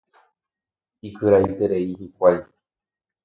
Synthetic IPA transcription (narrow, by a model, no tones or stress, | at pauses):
ikɨɾajt̪eɾeihikʷaj